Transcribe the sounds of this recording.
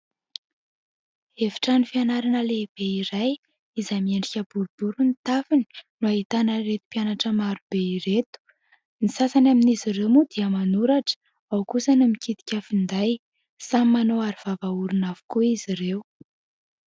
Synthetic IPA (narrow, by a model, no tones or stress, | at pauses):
evi̥ʈ͡ʂanifianaɾanəleb̥eiɾaj | izamieɳɖ͡ʐikʲəbuɾub̥uɾunit̪afini̥nuaɦit̪anəɾet̪u̥pianaʈ͡ʂəmaɾub̥eiɾet̪u̥ | nisasanaminiziɾewmud̪iəmanuɾaʈ͡ʂə̥ | awkusənumikʰit̪i̥kʲəfind̪aj | samimanoaɾiv̥avauɾunav̥u̥kuizirew